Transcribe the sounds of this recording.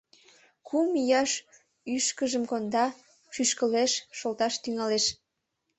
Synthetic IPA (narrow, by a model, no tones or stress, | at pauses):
kumijɑʃ | yʃkəʒəmkond̪ɑ | ʃyʃkəleʃːolt̪ɑʃt̪yŋɑleʃ